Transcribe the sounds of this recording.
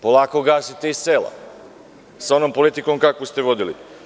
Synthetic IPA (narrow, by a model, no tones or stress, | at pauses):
po̞lˠaːkoɡaːsit̪e̞isseːlˠa̰ | sao̞nompo̞lit̪iko̞mkakost̪eʋo̞d̪ilḭ